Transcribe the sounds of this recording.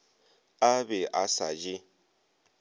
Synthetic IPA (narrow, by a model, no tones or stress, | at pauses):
abɛʔasa̰d͡ʒɪ